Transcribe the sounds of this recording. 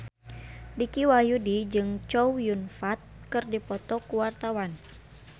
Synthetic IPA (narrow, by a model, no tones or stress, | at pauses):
dikiwajudid͡ʒɨŋt͡ʃɔwjunfat̪̚kɨrdipɔt̪ɔkuwart̪awan